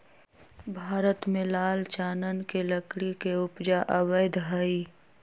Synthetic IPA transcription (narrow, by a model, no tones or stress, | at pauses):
bʱaːɾət̪mẽlaːlt͡ʃaːnənkeləkɽikeʊpd͡ʒaʔəwəjd̪ɦai